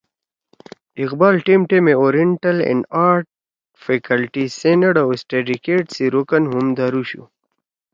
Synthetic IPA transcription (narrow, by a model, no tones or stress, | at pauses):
iqbaːlʈimʈemeoɾiɳʈɐlḛnaːɾʈ̚ | fekɐlʈisenəɖawesʈeɖikeʈsiɾokənɦumd̪aɾuɕṵ